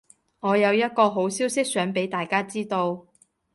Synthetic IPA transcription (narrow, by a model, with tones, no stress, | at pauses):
ŋɔː˨˧jɐ˨˧wjɐ˥t̚kɔː˧ɦo˨˥wsiː˥wsɪ˥k̚sœː˨˥ŋpe˨˥jt̪aː˨˩jkaː˥t͡siː˥t̪o˧w